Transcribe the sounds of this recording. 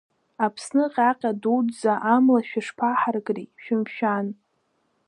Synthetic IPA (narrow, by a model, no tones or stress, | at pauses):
apʰsnɨqʲʼaqʲʼadudd͡zaʔamlaʃᶣaʂpʰaħarɡʼriʃᶣɪmʃᶣan